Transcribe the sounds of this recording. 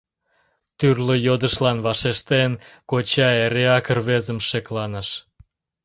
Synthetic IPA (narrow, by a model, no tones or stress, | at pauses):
t̪yrləjod̪əʃlɑnβɑʃeʃt̪enkot͡ɕɑeɾeɑkərβezəmʃeklɑnəʃ